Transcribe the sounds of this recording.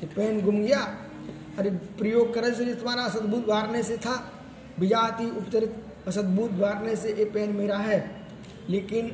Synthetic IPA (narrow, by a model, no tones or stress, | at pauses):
epɛːnɡʱʊmɡɪja | ɐɾepɾəjoːɡ̚kəɾəlseɪt̪ʰʋaːɾaɐsəd̪buːt̪baːɾneset̪ʰa | bɪd͡ʒaːt̪iʊpt̪əɾɪt̪ | ɐsəd̪̚buːt̪ʋaːɾneseʔepɛːnmɪɦɾaɦɛː | leːkɪn